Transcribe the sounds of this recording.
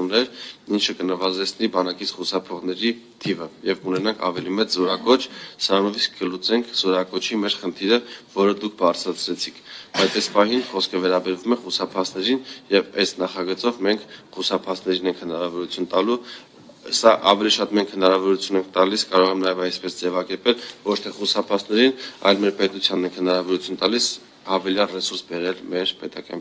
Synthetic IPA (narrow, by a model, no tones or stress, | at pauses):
umnɛɾint͡ʃʰəkənəvɑzɛt͡sʰnibɑnɑkit͡sʰχusɑpʰɔʁn̪ɛɾi | t̪ʰivəjɛvkunɛnɑŋkʰɑ̰vɛlimɛt͡szɔɾɑkɔt͡ʃʰsəɾɑnɔviskːəlut͡sɛŋkʰz̥ɔɾɑkɔt͡ʃʰimɛɾχənt̪ʰiɾəvɔɾəd̪ukʰbɑrt͡sʰɾɑt͡sʰɾɛt͡sʰikʰbɑjt͡sʰɛspɑɦinχɔskʰəvɛɾɑbɛɾvumɛχusɑpʰɑsnɛɾinjɛvɛsnɑχɑɡət͡sɔvmɛŋkʰχusɑpʰɑsʰnɛɾinɛŋkʰhənɑɾɑvɔɾut͡sʰjunt̪ɑlu | sɑʔɑvɛliʃɑt̪mɛŋkʰhənɑɾɑvɔɾut͡sʰjunɛŋkʰt̪ɑliskɑɾɔʁɛmnɑjɛvɑjspɛsd͡zɛvɑkɛɾpɛlvɔt͡ʃʰt̪ʰɛχusɑpʰɑt͡sʰnɛɾinɑ̰jlmɛɾpɛt̪ut͡sʰjɑnːɛŋkhənɑɾɑvɔɾut͡sʰunt̪ɑlis | ɑvɛljɑrɛsuɾsbɛɾɛlmɛɾpɛt̪ɑkɑ̰n